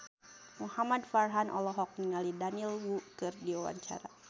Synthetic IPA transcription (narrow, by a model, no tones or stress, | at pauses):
muhamadfarɦanʔɔ̰lɔɦɔk̚niŋalidanilwukɨrdiuwa̰ɲt͡ʃa̰ɾa